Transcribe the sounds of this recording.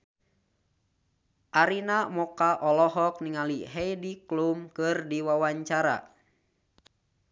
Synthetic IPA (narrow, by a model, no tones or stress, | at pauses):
ʔaɾinamɔkaʔɔlɔɦɔk̚niŋaliɦɛjdiklumkɨrdiwawaɲt͡ʃaɾa̰